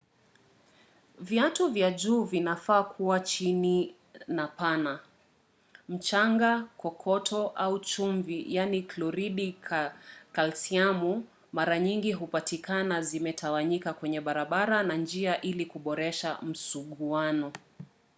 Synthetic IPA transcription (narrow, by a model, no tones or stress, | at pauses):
vjatuvjaʄuːvinafaːkʰuwat͡ʃini | napana | m̩t͡ʃaŋɡakɔkʰɔtʰɔʔaut͡ʃuɱvijaniklɔɾiɗi | kalsiamu | maɾaɲiŋɡiɦupatikanazimɛtʰawaɲikakwɛɲɛɓaɾaɓaɾanand͡ʒiaʔilikuɓɔɾɛʃam̩suɠuanɔ